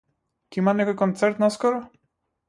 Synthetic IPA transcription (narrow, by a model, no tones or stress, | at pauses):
kʲimːanakɔkɔnt̪sɛɾt̪nɔskɔɾɔ